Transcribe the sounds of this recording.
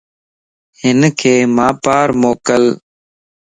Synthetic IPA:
hɪnkʰeːmaːpaːɾmoːkəl

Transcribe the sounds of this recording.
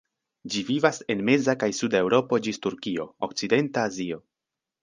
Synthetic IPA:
d͡ʒivivase̞nme̞zakajsude̞wɾo̞po̞d͡ʒistuɾkio̞̰o̰k̚t͡side̞ntaːzio̞

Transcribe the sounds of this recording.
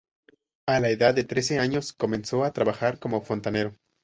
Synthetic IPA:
alaeðaðːe̞t̪ɾe̞s̬e̞aɲo̞sko̞mẽ̞nso̞at̪ɾaβaxaɾko̞mo̞fo̞nt̪ane̞ɾo

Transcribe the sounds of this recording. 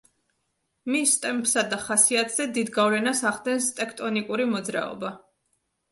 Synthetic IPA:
mist̪ʼɛmpʰsad̪aχasiat̪ʼz̥ɛd̪id̪ɡavlɛnasaʁd̪ɛnst̪ʼɛkʰt̪ʼɔnikʼuɾimɔd̪zɾa̰ɔ̰ba

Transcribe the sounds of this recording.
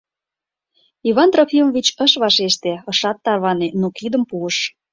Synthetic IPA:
iβɑnt̪ropimovʲit͡ɕəʃβɑʃeʃt̪eɤʃɑt̪ːɑrβɑnenukid̪əmpuəʃ

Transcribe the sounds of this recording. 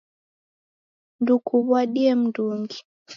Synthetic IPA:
ndukʰuβwaɗiɛm̩nduŋɡi

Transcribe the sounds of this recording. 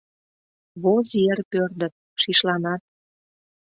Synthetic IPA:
βozerpørd̪ə̆t̪̚ | ʃiʃlɑnɑt̪̚

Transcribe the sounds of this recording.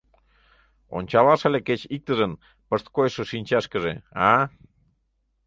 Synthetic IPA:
o̰nʲt͡ɕɑβɑʃəleket͡ɕik̚t̪əʒən | pəʃt̪̚kojʃəʃinʲt͡ɕɑʃkəʒḛɑ

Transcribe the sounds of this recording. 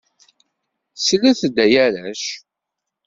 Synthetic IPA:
slæθd̪ːæjæɾæʃ

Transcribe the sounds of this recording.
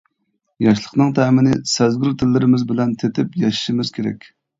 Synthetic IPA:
jɑʃlˠəqnɨŋt̪ʰɛːmɪnɪsɛzɡʲyɾt̪ʰɪlːɪɾɪmɪzbɪlɛnt̪ʰet̪ʰɪpjɑʃi̥ʃimɪz̥kʲʰeɾɛ̰kʲ

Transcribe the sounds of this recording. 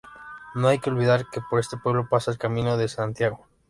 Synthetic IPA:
no̞ajkeolβiðaɾke̞poɾe̞st̪e̞pwe̞β̞lo̞pasaelkamĩno̞ðe̞sant̪jaɣo̞

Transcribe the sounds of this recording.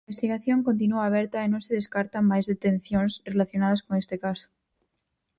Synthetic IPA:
best̪iɣaθjo̞ŋkont̪̬inuaːβ̞eɾt̪aenõnseðeskaɾt̪amajzðet̪ẽn̟θjonsrelaθjo̞naðaskoŋest̪ekaso̥

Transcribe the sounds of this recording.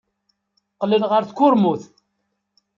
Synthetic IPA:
qləlʁəɾθkʷːʊɾmuθ

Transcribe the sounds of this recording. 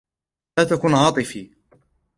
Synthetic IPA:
laːt̪akʊnʕɑːt̪ˤɨfiː

